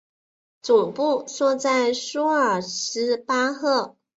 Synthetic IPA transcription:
t͡su˨˩pu˥˧swɔ˥˧t͡sa˥˩ɪʂu˥ə˞˨˩ʂɻ̩˧˥pa˥xɤ˥˩

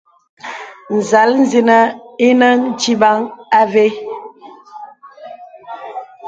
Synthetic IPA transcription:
n̩˨za˨˦ln̩˦zi˨nə˦i˦nə˦n̩˦d͡ʒi˦ba˦ŋa˦ve˦

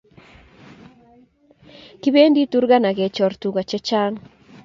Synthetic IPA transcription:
ki˦be˦ndi˦tu˦ɾɡa˦na˨ɡɛ˨t͡ʃɔ˨rtu˨ɡa˨t͡ʃɛ˦t͡ʃa˦n

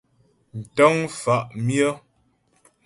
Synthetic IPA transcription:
n̩˨tə˦ŋfa˦ʔmjə˦

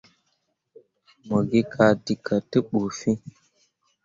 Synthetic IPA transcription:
mə˨ɡi˦kʰa˨di˨kʰə˨tə˦ɓu˨fi˦

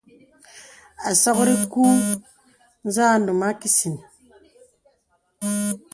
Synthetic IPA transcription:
a˨sɔ˦kɾi˦ku˦ | n̩˦za˦˨n˦du˨ma˦ki˦si˨n

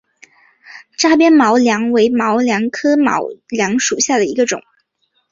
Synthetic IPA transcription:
ʈ͡ʂa˥˩p̬jɛ˥nmɑ˧˥ʊljɑ˧˥ŋwe˧˥ɪmɑ˧˥ʊljɑ˧˥ŋkʰɤ˥mɑ̰˧˥ʊljɑ˧˥ŋʂu˨˩ɕja˥˩d̪ə˩i˧˥ɡə˧ʈ͡ʂʊ̰˨˩˦ŋ

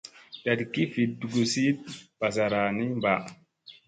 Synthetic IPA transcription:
da˨dki˦fi˨du˨ɡu˨si˦t̚pa˨sa˨ɾaː˨ni˦mba˨ʔ

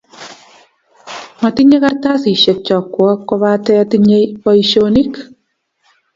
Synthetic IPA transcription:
ma˨ti˦ɲe˦ka˦rt̪a˦si˨ʃe˨t͡ʃɔ˨kːwɔ˦kːo˧βa˦tɛ˦tiɲe˦pɔ˧iʃoni˦k

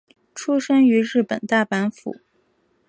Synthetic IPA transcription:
ʈ͡ʂʰu˥ʂə˥ŋy˧˥ɻɻ̩˥˩pə̰˨˩nt̪a˥˩pa˧˥nfṵ˨˩˦

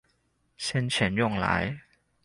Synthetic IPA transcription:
ɕɛ˥nt͡ɕʰi˨˦njʊ˥˩ŋla̰˨˧˦j

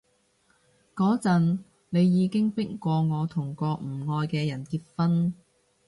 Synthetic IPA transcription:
kɔː˨˥t͡sɐ˨n | ne˨˧jːiː˨˧kɪ˥ŋpɪ˥kkʷɔː˧ŋɔː˨˧t̪ʰʊ˨˩ŋkɔː˧k̚m̩˨˩ŋɔː˧jkɛː˧jɐ˨˩nkiː˧t̚fɐ˥n

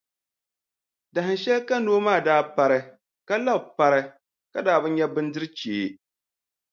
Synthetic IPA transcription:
da˨ɦɨ˨ʃɛ˦lka˦no˦maː˦˨daː˦pa˦ɾɨ˦˨ | ka˦la˦bpa˦ɾɨ˦ | ka˦daː˦bɨ˦n˦ɲɛ˦bɨ˦n˦dɨ˦ɾɨ˦t͡ʃeː˨

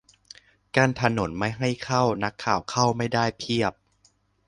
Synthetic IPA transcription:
kaː˧nt̪ʰa˧no˩˦nma˥˩jɦa˥˩jkʰa˥˩wna˦˥kʰːaː˨˩wkʰa˥˩wma˥˩jdaː˥˩jpʰi˥˩əp̚

